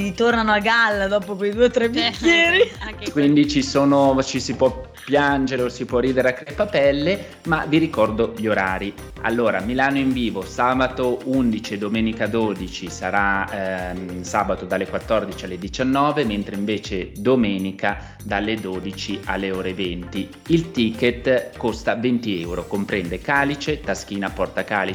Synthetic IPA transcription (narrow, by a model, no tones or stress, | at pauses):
it̪ornanoaɡalːad̪ɔːpokwejd̪uːeot̪ːɾɛbikːjɛːɾikwind̪it͡ʃisoːnot͡ʃisipwɔpːjand͡ʒeɾeosipwɔrːiːd̪eɾeakːɾepːapɛlːe | ma̰viɾikɔrd̪oʎoɾaːɾi | a̰lːoːɾa̰milaːnoiɱviːvosaːbat̪ound̪it͡ʃed̪omɛːnikad̪oːd̪it͡ʃisaɾa | saːbat̪od̪alːekwat̪ːɔrd̪it͡ʃialːed̪it͡ʃanːɔːvement̪ɾeiɱveːt͡ʃed̪omɛːnika | d̪alːed̪oːd̪it͡ʃia̰lːeoːɾevent̪i | ilt̪iket̪kost̪avent̪iɛwɾokompɾɛnd̪ekaːlit͡ʃet̪ask̟iːnapɔrt̪akaːli